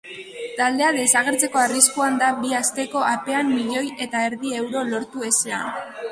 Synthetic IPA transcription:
t̪ald̪e̞aðe̞saɣ̞e̞ɾt͡se̞ko̞ariskuand̪abiast̪e̞ko̞ape̞amːiʎo̞je̞t̪ae̞ɾðie̞wɾo̞lo̞ɾt̪ue̞sea

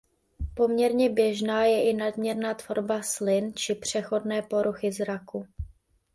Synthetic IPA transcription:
po̞mɲɛɾɲɛbjɛʒnaːjɛʔɪnadmɲɛɾnaːt̪vo̞ɾbaslɪnt͡ʃɪpr̝̥ɛxo̞dnɛːpo̞ɾuxɪzɾaku

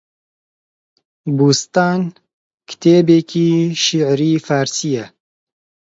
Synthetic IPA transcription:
buːst̪aːn | kʰɨ̥t̪ʰeːbeːkʰiːʃiʕɾiːfaːɾsijɛ

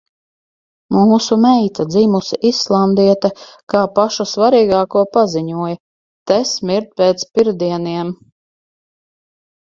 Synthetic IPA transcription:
muːsumɛjt̪ad̪ziːmusiʔisːlˠand̪iɛt̪akaːpaʃusvaɾiːɡaːkuɔpaziɲuɔjɐ | t̪ɛsmiɾt̪̚peːt̪spiɾd̪iɛniɛm

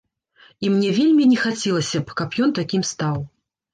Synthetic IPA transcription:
imnʲɛvʲelʲmʲinʲɛxat͡sʲɛlˠɐsʲɐpkɐpjɔnt̪akʲimst̪aw

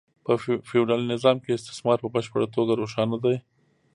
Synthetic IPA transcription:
pəfɪɖalnɪzɑmkeɪst̪ɪ̥smɑɾpəbəʃpəɽat̪oɡaɾoʃɑnad̪aj

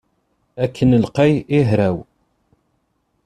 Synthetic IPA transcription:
ækʰːənəlqejiɦɾæw

